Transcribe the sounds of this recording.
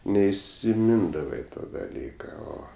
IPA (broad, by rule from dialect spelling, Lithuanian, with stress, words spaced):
nʲɛɪsʲɪˈmʲɪndɐʋɐɪ ˈtoː dɐˈlʲiːkɐ ˈoː